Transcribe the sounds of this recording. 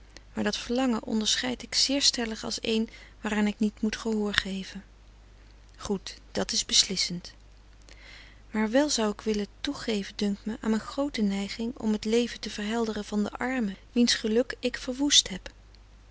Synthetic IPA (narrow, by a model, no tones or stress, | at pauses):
maːɹdɑtfəɹlɑŋəʔɔ̰ndəɹsχɛjtɪksɪːɹstɛləχɑ̰lˠsḛjnʋaːraːnɪknitmutχəɦʊːɹχejvən | χutd̥ɑtɪzbəslɪsənt | maːɹʋɛlˠzʌwɪkʋɪlətuχejvədɵŋk̚tməʔa̰ːnənχrowtənɛjχɪŋɔ̰mətlejvəntəv̥əɹɦɛlˠdərəv̥ɑndə̰ʔɑɹməʋinsχəlɵkɪkfəɹʋustɦɛp